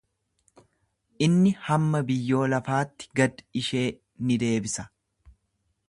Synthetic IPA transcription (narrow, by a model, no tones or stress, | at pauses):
ʔɪnːɪhɐmːɐbɪjːo̞ːlɐfaːt̪ːɪ̥ɡɐd̪ɪ̥ɪʃe̞ː | nɪd̪e̞ːbɪsɐ̥